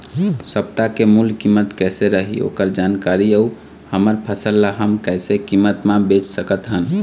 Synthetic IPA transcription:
səp̚t̪akemulkimːət̪kɛseɾəɦḭo̰kəɾd͡ʒankaɾiəu | həməɾpʰəsəlːaɦəmkɛɪsekimːət̪mãbet͡ʃsəkət̪ɦən

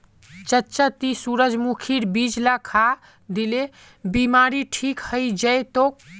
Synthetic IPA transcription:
t͡ʃətːt͡ʃət̪isuɾəd͡ʒmukʰiɾbid͡ʒlakʰa | d̪ile | bimaɾiʈʰikhəjd͡ʒəjt̪ok̚

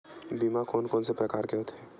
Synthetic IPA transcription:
biːmakoːnkɔːnsepɾɐkaːɾkjõːt̪ʰeː

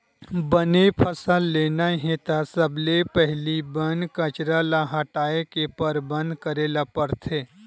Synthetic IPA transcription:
bənepʰəsəlːeːnaɦẽt̪asəblepɛɦlibənkət͡ʃɾalaɦɐʈaːekepəɾbə̃nd̪kəɾeːlapəɾt̪ʰeː

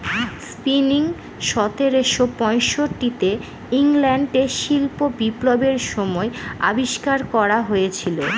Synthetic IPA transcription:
spiniŋ | ʃɔt̪eɾeʃopɔ̃jʃoʈːit̪e | iŋlɛɳɖeʃilpobiplobeɾʃɔmɔea̰biʃkaɾkɔɾaɦojet͡ɕʰilo

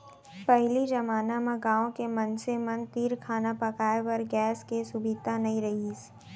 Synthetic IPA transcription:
pɐɦlid͡ʒɐmaːnamãɡãːõkemɐnsemɐnt̪iːɾkʰaːnapɐkaːepɐɾɡɛːskesʊbit̪anɐɦĩɾɐɦiːs

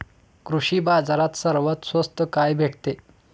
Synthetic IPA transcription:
kɾuɕiːbad͡zaɾat̪səɾʋət̪sʋəst̪əkajbʱeʈt̪e

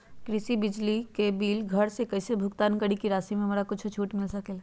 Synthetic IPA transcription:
kɾɪsibɪd͡ʒlikebiːlɡʱɐɾsekɐsebʱʊkt̪aːnkəɽikiɾaːsimẽɦɐmːɾakʊt͡ʃʰt͡ʃʰuːʈmɪlsɐkel

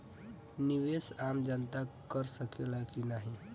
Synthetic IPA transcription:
niʋesamd͡ʒənt̪akəɾsəkelakinaɦĩ

